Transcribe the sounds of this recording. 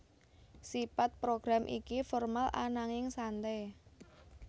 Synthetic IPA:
sipat̪̚pɾoɡ̥ɾamʔikifɔrmala̰naŋɪŋsant̪ɛ

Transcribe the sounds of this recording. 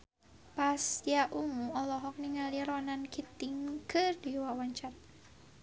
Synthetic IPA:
pasjaʔumuɔlɔɦɔk̚niŋaliɾɔnankit̪iŋkʰɨrdiwawaɲt͡ʃar

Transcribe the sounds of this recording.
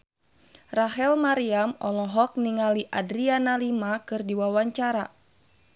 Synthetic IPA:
raɦɛlmaɾiamɔlɔɦɔk̚niŋaliʔadɾianalimakɨrdiwawaɲt͡ʃaɾa̰

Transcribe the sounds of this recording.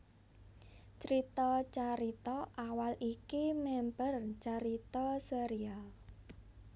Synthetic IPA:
t͡ʃɾit̪ɔt͡ʃaɾit̪ɔʔawalʔikimɛmpərt͡ʃaɾit̪ɔseɾial

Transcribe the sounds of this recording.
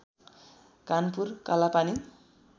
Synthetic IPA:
kanpurkalapani

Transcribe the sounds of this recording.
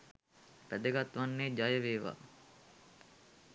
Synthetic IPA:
pæd̪əɡat̪ʋanːeːd͡ʒajəʋeːʋa̰ː

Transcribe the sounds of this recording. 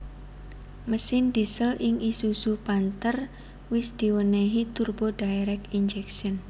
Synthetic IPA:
məsɪnd̪̥isəlʔɪŋisusupant̪ər | wɪsd̪̥i̤wəneɦit̪urb̥oɖ̥aeɾɛkind͡ʒɛksən

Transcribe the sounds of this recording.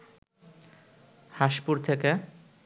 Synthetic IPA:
haʃpuɾt̪ʰeke

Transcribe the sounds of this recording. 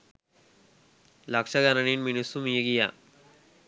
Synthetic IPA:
lakʂaɡaɾaniːnminesumijeɡija̰

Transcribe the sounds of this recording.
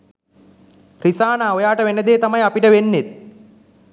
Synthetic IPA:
risaːnaːojaːʈəʋenəd̪eːt̪amajapiʈəʋenːet̪̚

